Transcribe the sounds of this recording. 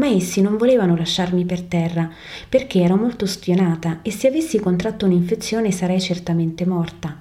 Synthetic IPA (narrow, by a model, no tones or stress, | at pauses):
maesːinoɱvoleːvanolaʃːarmipert̪ɛrːa | perk̟eɛːɾomolt̪ospjonaːt̪aesːeavesːikont̪ɾat̪ːouniɱfet̪sːjoːnesaɾɛjt͡ʃert̪ament̪emɔrt̪a